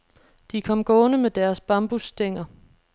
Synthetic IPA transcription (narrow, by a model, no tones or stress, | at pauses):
d̥ikʰɒ̽m̰ɡ̥ɔ̽ːnəmed̥æɐsb̥ɑ̈mb̥usd̥eŋ̰ɐ